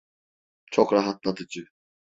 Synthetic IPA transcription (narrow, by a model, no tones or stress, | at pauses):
t͡ʃʰokɾaɦat̪̚lˠad̪ɯd͡ʒɯ